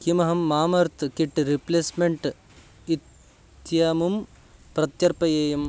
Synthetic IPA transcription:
kimɐɦɐmːaːmɐɾt̪ʰɨkiʈːɾipleːsmeɳʈ | it̪ | jaːmum | pɾɐt̪jɐɾpɐjeːjɐm

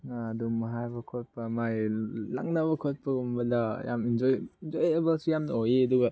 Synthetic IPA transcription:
aːdumɐɦajbɐkʰot̚pɐmajla̰ŋnaβɐkʰot̚pɐɡumbɐdɐja̰mind͡ʒojind͡ʒojebɐlsijamnɐojeɐduɡɐ

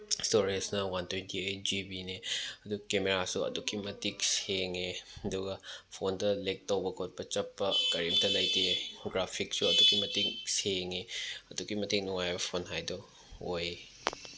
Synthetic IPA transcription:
stoɾisnɐwɐntʰwentiejt̚d͡ʒibineɐdukemeɾasuɐ̰dukʰimɐtik̚seŋeɐduɡɐpʰontɐlek̚towbɐkʰot̚pɐt͡ʃɐpːɐkɐɾimtɐlɐjteɡɾapʰik̚suɐdukimɐtiŋseŋeɐdukimɐtiŋ̚nuŋajbɐpʰonɦajdɔ | oj

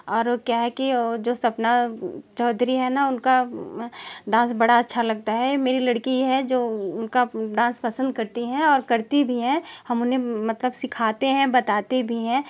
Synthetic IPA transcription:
ɔːɾkjaɦɛkid͡ʒoːsɐbnat͡ʃɔːd̪ʱɾiɦɛnaʊnka | ɖãːsbɐɽaɐtːʃʰalɐɡ̚t̪aɦɛmeːɾilɐɽkijeɦɛd͡ʒoːʊnkaɖãːspɐsə̃nd̪̚kɐɾt̪iɦɛ̃ɔːɾkɐɾt̪ibʱiɦɛ̃hɐmʊnɦẽmɐt̪ləbsɪkʰaːt̪eɦɛ̃bɐt̪aːt̪ebʱiɦɛ̃ː

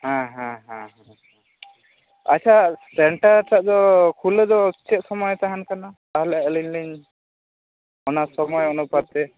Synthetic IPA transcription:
hãɦãɦãɦã | a̰t͡ʃʰasɛɳʈaɾtaʔdɔkʰulədɔt͡ʃɛt̪̚sɔmɔjt̪aɦankanat̪aɦlɛaʔəliɲliɲ | ɔnasɔmɔjunupaɾ̚t̪ɛ

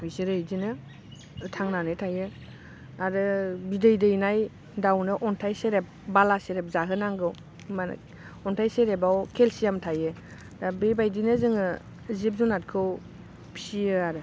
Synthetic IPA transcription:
bisiɾɯjdinɯ | tʰaŋnanɯtʰajɯ | aɾɯbidɯjdɯjnaj | dawnɯʔɔntʰajseɾep̚balaseɾep̚zaɦɯnaŋɡɯw | man̰ | ɔntʰajseɾebawkʰelsijamtʰajɯ | dabebajdinɯzɯŋɯ | zip̚zunat̚kʰɯw | pʰi̥siɯaɾɯ

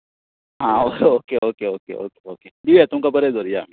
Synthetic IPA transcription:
ɦãːoːeoːkeʔoːkeoːkḛo̰ːkeoːked̪iet̪ʊmkɐbɐɾezoːɾijaːm

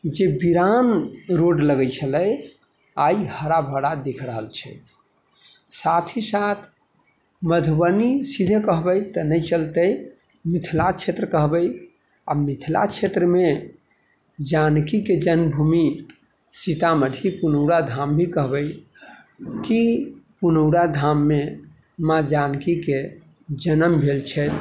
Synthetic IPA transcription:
d͡ʒebiɾanɾoɖləɡəjt͡ʃʰələj | aihəɾabʱəɽad̪ekʰɾəɦəlt͡ʃʰɛ̰ | sat̪ʰisat̪ʰ | məd̪ʱubənisid̪ʱekəɦbəjt̪ənəɪt͡ʃəlt̪əj | mit̪ʰlat͡ʃʰet̪ɾəkəɦbəj | amit̪ʰla̰t͡ʃʰet̪ɾəme | d͡ʒankiked͡ʒənbʱumi | sit̪aməd̪ʱipunəʊɽad̪ʱambʱikəɦbəj | kipunəʊɽad̪ʱamːe | mad͡ʒankike | d͡ʒənəmbʱelt͡ʃʰɛt̪

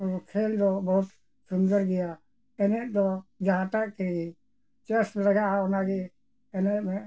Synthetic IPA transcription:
ɔkʰɛld̪ɔbɔɦut̪ | suŋɡəɾɡɛja | ɛnɛʔd̪ɔd͡ʒaɦat̪aʔkɛi | t͡ʃɛslɛɡaʔanaɡɛ | ɛnɛmɛ

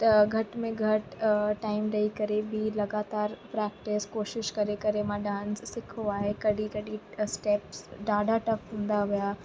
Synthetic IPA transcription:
t̪ɐɡʱɐʈmẽɡʱɐʈʈaːɪmɾɐikɐɾebɪlɐɡaːt̪aːɾpɾɛːk̚ʈɪskoːʃɪʃkɐɾekɐɾemãɖãːnssɪkʰoaːɦekɐɽikɐɗisʈeːpsɖaːɖʱaʈɐfɦũːn̆d̪aʋijaː

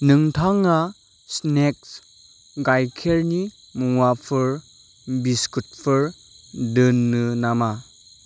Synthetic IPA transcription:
nɯŋtʰaŋːa | snek̚s | ɡajkʰeɾni | muŋwapʰɯɾ | biskut̚pʰɯɾ | dɯnːɯnama

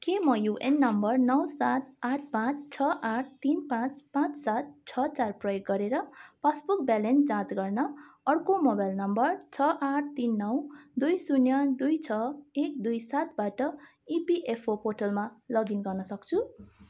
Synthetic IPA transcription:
kemʌjuʔenːʌmbʌrnʌwsat̪̚aʈ̚ʰpãt͡sʰt͡sʰʌʔaʈ̚ʰt̪inpãt͡spãt͡ssat̪̚t͡sʰʌt͡sarprʌjoɡːʌɾeɾʌpasbuk̚balend͡zãt͡sɡʌrnʌʌrkomobajlnʌmbʌrt͡sʰʌʔaʈ̚ʰt̪inːʌwd̪ujsunjʌd̪ujt͡sʰʌek̚d̪ujsat̪̚baʈʌ | ipiʔepʰopoʈʌlmalʌɡinɡʌrnʌsʌk̚t͡sʰu

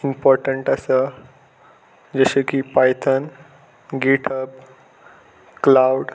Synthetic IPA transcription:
impɔɾʈəɳʈəsə | d͡ʑəɕəkipajt̪ʰən | ɡeʈʰəp | klawɖ

